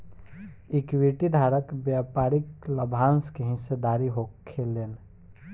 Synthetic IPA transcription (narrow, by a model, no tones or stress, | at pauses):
ikwiʈid̪ʱaɾəkbjapaɾikləbʱanskeɦɪ̃sed̪aɾiɦokʰːeleːn